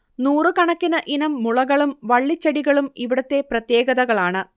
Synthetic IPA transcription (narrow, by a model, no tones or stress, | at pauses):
nuːrɨkɐɳɐkːinɐʔinɐmːuɭɐɣɐɭumʋɐɭːit͡ɕːɐɽiɣɐɭumiʋiɽɐt̪ːe̞prɐt̪je̞ːɡɐðɐɣɐɭaːɳɨ